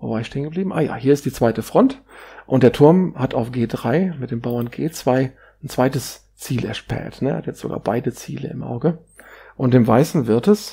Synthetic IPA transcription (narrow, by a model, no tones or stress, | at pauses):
vo̰baɪʃteːənɡəbliːbm̩ʔa̰ːja̰ːhiːɐɪstd̥iːt͡sv̥aɪtəfʁ̥ɔntʔʊntd̥eːɐtʰʊɐmhatʰaʊfɡ̥eːdʁaɪmɪt̚d̥eːmbaʊɐnɡ̥eːt͡sv̥aɪ | n̩t͡sv̥aɪtəs | t͡siːlʔɛ̰ɐʃpɛ̰ɐtnə̰ɐhatjɛt͡stz̥o̰ɡa̰ːɐb̥aɪdət͡sḭːlə̰ɪmʔa̰ʊɡə | ʔʊnt̚d̥eːmvaɪsn̩vɪɐtɛs